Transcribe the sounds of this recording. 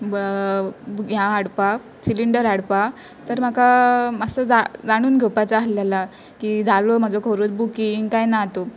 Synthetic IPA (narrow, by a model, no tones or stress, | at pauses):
b | jaːɽpa | siliɳɖəɾaɽpa | t̪əɾm̤akamasəd͡zad͡zaɽ̃uːnɡʱewpat͡saːlala | kiːd͡zʱalom̤ad͡zokʰoɾot͡sbukiŋɡkajnat̪o